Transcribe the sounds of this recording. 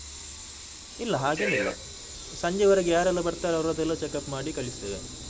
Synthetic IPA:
ilːɐɦaːɡenilːɐ̰ | sɐɲd͡ʒeʋɐɾɐɡjaːɾɐlːubɐɾt̪aːɾɐwɾoːd̪ɐlːot͡ʃekːɐpmaːɽikɐɭist̪eːʋe

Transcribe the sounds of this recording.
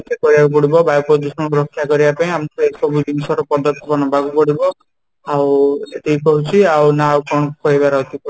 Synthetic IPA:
kekɔɾibakup̬ɔɽibɔbajpɔd̪usɔ̃mɔkɾɔkʰːjakɔɾibapaĩamnkɔeisɔbʱud͡ʒinisɔɾɔpɔd̪ɔt̪ːɔpɔnɔbʱakupɔɽibɔ | awt̪eɦikɔɦut͡ʃʰiawnaawkɔɳ̃ɔkɔɦibaɾaut̪ikɔ

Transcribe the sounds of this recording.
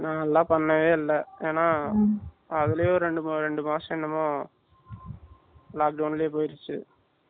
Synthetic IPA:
nãːɛlːãːpɐɳːɐʋeːɪlːɐeːnaː | ɐðɪlɐjoɾɾɛɳɖɯmɾɛɳɖɯmaːʂɐ̃ɛnːɐmõː | laːk̚ɖɐʊnɪljeːp̬oːjɪɾɯt͡ʃːɯ̰

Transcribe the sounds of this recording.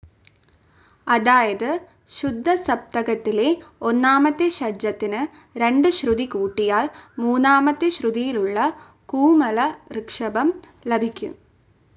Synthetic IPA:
ɐðaːjɐðɨ | ɕud̪ʱːɐsɐp̚t̪ɐɣɐt̪ːile̞o̞nːaːmɐt̪ːeɕɐd͡ʑːɐt̪ːinɨ | ɾe̞ɳɖɨɕruðikuːʈːijaːɭmuːnːaːmɐt̪ːeɕruðijiluɭːɐ | kuːmɐlɐrɨkʂɐbɐm | lɐbʱikʲːṵ

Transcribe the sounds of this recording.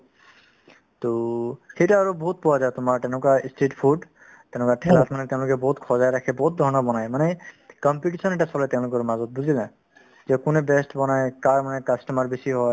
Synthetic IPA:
toxejtaːɹobɔɦut̪̚pɔwazajtʊmaɹtɛnʊkaisteʈpʰuɖ | tɛʊ̃nʊkatʰɛlatʰmanɛtɛ̃ʊ̃lʊkɛbɔɦutkʰɔzajɹakʰɛbɔɦut̪̚d̪ʱɔɹɔnɔbɔnajmanɛkɔmpiʈ̬isɔnɛʈasɔlɛtɛ̃ʊ̃lʊk̬ɔɹmazɔt̚buzilã | zɛkʊnɛbɛstbɔnajkaɹmanɛkastɔmaɹbesiɦɔj

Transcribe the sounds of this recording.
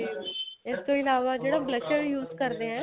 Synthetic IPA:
ɪst̪õːɪlaːʋaːd͡ʒeːɽaːbləʃəɾjuːzkəɾd̪eɛ̃ː

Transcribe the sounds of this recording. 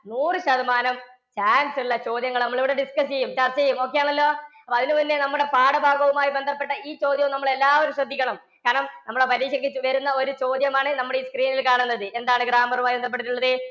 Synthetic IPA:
nuːrɨɕɐðɐmaːnɐm | t͡ɕaːnsilːɐt͡ɕo̞ːd̪jɐŋːɐɭnɐmːɐɭiʋiɽeɖiskɐst͡ɕe̞jːumt͡ɕɐrt͡ɕːɐt͡ɕejumo̞ːkːejaːɳɐlːo̞ːɐpːoːɐðinɨpinːe̞nɐmːuɽe̞paːɽɐbʱaːɡɐʋumaːjibend̪ʱɐpːe̞ʈːɐiːt͡ɕo̞ːd̪jɐʋumnɐmːɐɭe̞lːaːo̞ɾuɕrɐd̪ʱːikʲːɐɳɐm | kaːɾɐɳɐmnɐmːuɭɽepɐɾiːɕɐŋɡit͡ɕːuʋɐɾunːɐo̞ɾut͡ɕo̞ːd̪jɐmaːɳɨnɐmːuɽeiːskriːnilkaːɳunːɐðɨʔend̪aːɳɨɡɾaːmɐrumaːjbend̪ʱɐp̬ːe̞ʈːiʈːuɭːɐðɨ

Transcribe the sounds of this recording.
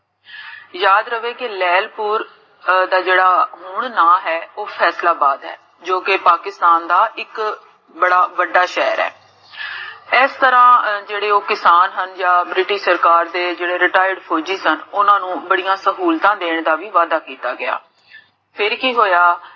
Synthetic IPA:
jaːd̪ɾəʋeːkɪlɛːlpuːɾ | d̪aːd͡ʒeːɽaːɦʊɳnãːɦɛːoːpʰɛːslaːbaːd̪ɦɛ̰ː | d͡ʒoːkɪpaːkɪst̪aːnd̪aːʔɪk | bəɽaːʋəɖːaːʃɛːɾɛ̰ː | ɪst̪əɾãːd͡ʒeːɽeːoːkɪsaːnɦənd͡ʒãːbɾɪʈɪʃsəɾkaːɾd̪eːd͡ʒeːɽeːɾɪʈaːɪəɖpʰoːd͡ʒiːsənʊnãːnũːbəɽijãːsəɦuːlt̪ãːd̪eːɳ̃d̪aːʋiːʋaːd̪aːkiːt̪aːɡɪja̰ː | pʰɪɾkiːɦoːjaː

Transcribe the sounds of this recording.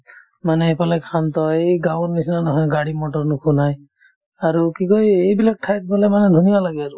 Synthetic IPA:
manɛːpalakʰant̪ɔejɡawɾnisʰinanɔɦɔjɡaɽimɔʈɔɾnukʰunaj | aɾukikɔiejbilak̚ʈʰajk̚bɔlɛmanɛd̪ʱunijalaɡɛaɾu

